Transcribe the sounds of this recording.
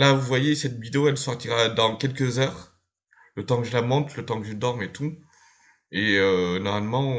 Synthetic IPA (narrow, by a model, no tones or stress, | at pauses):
lavuvwajesɛt̪vid̪eoɛlsɔʁt̪iʁad̪ɑ̃kʲɛlkəzœːʁ | lət̪ɑ̃kəʒəlamɑ̃t̪lət̪ɑ̃kəʒəd̪ɔʁmet̪u | eønɔʁmalmɑ̃